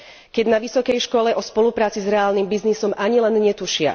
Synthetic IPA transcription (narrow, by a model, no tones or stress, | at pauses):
kɛɟnaʋisɔkɛjʃkɔlɛʔɔspɔlupɾaːt͡sizɾɛaːlnimbiznisɔmʔaɲilɛnɲɛt̪uʃɪa̰